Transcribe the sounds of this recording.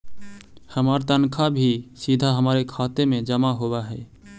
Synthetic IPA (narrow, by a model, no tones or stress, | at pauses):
həməɾt̪ənkʰabʱisid̪ʱaɦəməɾekʰat̪emed͡ʒəmaɦoβaɦɛ